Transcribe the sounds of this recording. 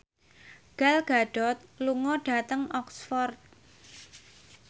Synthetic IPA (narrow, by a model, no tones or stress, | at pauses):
ɡ̥alɡ̥aɖ̥ɔ̤t̪̚luŋɔɖ̥a̤t̪əŋɔksfɔrt̪̚